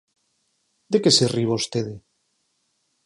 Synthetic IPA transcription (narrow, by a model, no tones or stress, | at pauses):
d̪ekeseriβaust̪eðe